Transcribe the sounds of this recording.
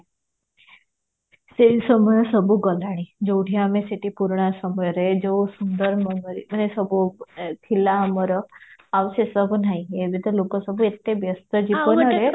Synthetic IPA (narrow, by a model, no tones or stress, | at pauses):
sesəməjəsəbʱuɡəlaɽ̃id͡ʒoʈʰijameseʈipuɾɽ̃asəməjɾed͡ʒosund̪əɾməməɾimənesəbʱukʰilaɦəməɾəaʋsesəbʱunaɦĩebʱit̪əlokəsəbuet̪ːebjəst̪əd͡ʒipənɦəɾe